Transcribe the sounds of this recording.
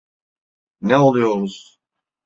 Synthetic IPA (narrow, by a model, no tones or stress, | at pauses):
nɛo̞lˠujoɾuz̥